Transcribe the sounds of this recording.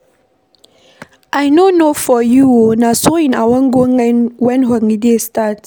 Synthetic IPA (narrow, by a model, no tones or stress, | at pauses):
ʔajnonofɔjuonasoĩnawãŋɡoŋɛ̃nwɛ̃nɦaŋidistat